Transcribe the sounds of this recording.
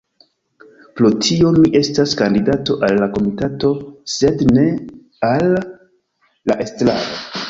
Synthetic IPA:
plotʰio̞miʔe̞staskandidato̞ʔalːako̞mitato̞se̞dne̞ | al | aʔe̞stla̰ɾo

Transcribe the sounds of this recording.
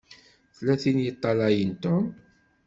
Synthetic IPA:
θlæθinjət̪ˤːɑlɑjənt̪ʊm

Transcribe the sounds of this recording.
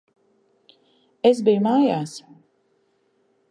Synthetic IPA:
esbijumaːjaːs

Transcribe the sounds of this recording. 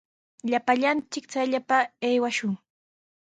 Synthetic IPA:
ʎapaʎant͡sɪkt͡sajʎapaejwaʃʊŋ

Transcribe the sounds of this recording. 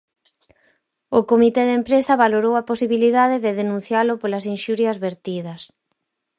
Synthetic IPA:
ʊkomit̪eðempɾesɐβaloɾowɐposiβiliðaðɪðɪðenũn̟θjalʊpolɐsinʃuɾjɐzβeɾt̪iðɐs

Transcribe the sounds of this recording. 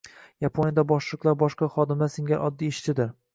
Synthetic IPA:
japʰonʲjad̪abɒʃlˠɨqlˠaɾbɒʃqɑχɒd̪ɪmaseŋɡʲaʔɒd̪ːieʃt͡ʃ̪ɪd̪ɪɾ

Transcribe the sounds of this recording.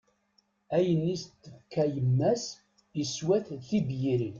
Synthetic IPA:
æjənːist̪ːəfkːæjəmːæs | əswæθθibjiɾin

